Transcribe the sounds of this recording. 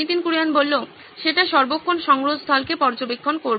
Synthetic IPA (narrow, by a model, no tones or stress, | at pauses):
it̪inkuɾianbolːo | ʃeʈaʃɔɾbokʰːonʃɔŋɾost̪ʰɔlkepɔɾd͡ʑobekʰːonkoɾ